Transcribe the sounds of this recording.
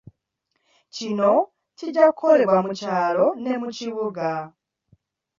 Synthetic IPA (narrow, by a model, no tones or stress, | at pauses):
t͡ʃinɔ | tʰid͡ʒakʰɔɾɛbwamut͡ʃʰalɔnɛmut͡ʃiβuɡa